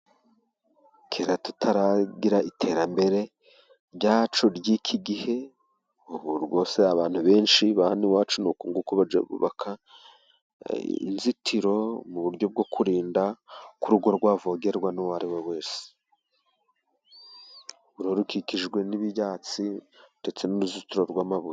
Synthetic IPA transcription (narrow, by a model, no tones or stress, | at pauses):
kʰeɾatu̥tʰaɾaɡiɾaitʰe̞ːɾambe̞ɾe̞ | ɾɟaːt͡ʃoɾjiːkʰiɡihe̞ | uβuɾɡo̞ːseaβaːn̥huβe̞ːnʃiβahaniwaːt͡ʃunukuŋɡukoβad͡ʒḛβṵβa̰kʰa | ḭnzitʰiɾo̞muβuɾɟo̞b̚ɡo̞kʰuɾiːndakuɾuɡo̞ɾɡwaːvo̞ɡe̞ɾɡwanuwaɾiwewe̞ːse̥ | uɾoɾukikiʒɡwe̞niβijaːt͡side̞t͡se̞nuɾuzitiɾo̞ɾɡwaːmaβuje